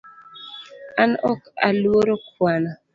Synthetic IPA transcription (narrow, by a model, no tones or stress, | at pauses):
anɔka̰lwoɾokwana